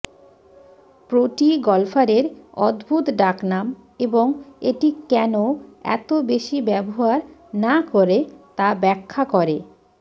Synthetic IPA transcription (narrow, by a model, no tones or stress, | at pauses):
pɾoʈiɡɔlfʰaɾeɾɔd̪bʱut̪ɖaknam | eboŋeʈikɛnoɛ̰t̪obeʃibɛboɦaɾnakoɾet̪abɛkʰːakɔɾe